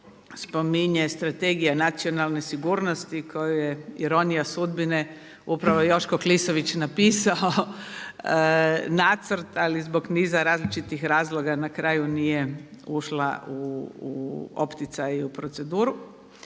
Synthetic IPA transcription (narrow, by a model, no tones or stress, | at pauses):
spo̞miɲest̪ɾat̪eɡijanat̪sionalˠne̞siɡuːɾnost̪ikʰojujeiɾo̞nijasud̪bine | upɾaʋo̞jo̞ʃkoklisoʋit͡ɕnapiːsaoo | nat̪sr̩t̪alizbo̞ɡniːzaɾaːzlit͡ʃit̪ixɾaːzlˠo̞ɡanakɾaːjunijeuʃlˠa̰ṵː | o̰pt̪it̪sajupɾo̞t̪se̞d̪uːɾu